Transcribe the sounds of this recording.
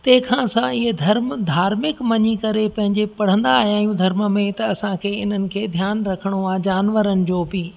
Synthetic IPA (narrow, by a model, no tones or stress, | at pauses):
t̪ɐ̃ɦɪ̃kʰãsãɪɦed̪ʱɐɾmd̪ʱaːɾmɪkmɐɲikɐɾepɐ̃ɦɪ̃ɲd͡ʑepɐɽ̤ə̃nd̪aːɦijaːɦijũd̪ʱɐɾməmẽt̪ɐːsãkʰeːɪn̤ənɪ̆kʰeːd̪ʱjaːnɾɐkʰəɽ̃oãːd͡ʑaːnʋəɾənɪ̆d͡ʑoːbɪ